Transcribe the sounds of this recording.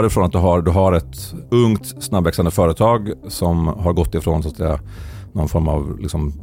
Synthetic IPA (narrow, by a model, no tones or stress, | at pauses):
ɾɪfɾoːnat̪̚d̪ɵɦaɾd̪ɵɦaɾɛt̪ɵŋt̪ | snabːɛksand̪əfœːɾət̪ʰɑːɡsɔmɦaɾɡɔt̪ːɪfɾoːnsaːt̪sɛ̰jːa̰ | nɔnfɔɾma̰vlɪ̰ksɔm